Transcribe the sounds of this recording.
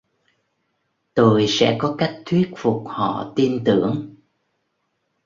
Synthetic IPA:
t̪o˧jsɛ̰˧˥kɔ˨˦ka˦˥jk̚t̪ʰwi˦˥ət̚fʊ˨˩k͡p̚hɔ̰˧˨t̪i˧nt̪ɨ˧˩əŋ

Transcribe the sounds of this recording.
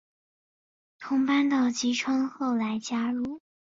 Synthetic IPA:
t̪ʰʊ˧˥ŋpa˥nt̪ɑ˥˩ʊt͡ɕi˧˥ʈ͡ʂʰwɤ˥ŋxo˥˩ʊla˧˥ɪt͡ɕja˥ɻu˥˩

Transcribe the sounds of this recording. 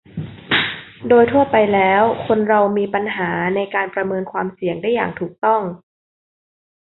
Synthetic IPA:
doː˧jt̪ʰu˥˩ɐpa˧jlɛː˦˥wkʰo˧nɾa˧wmiː˧pa˧nɦaː˩˦na˧jkaː˧npɾa˧mɤː˧nkʰwaː˧msi˨˩əŋda˥˩ja̰ː˨˩ŋt̪ʰuː˨˩k̚t̪ɔ˥˩ŋ

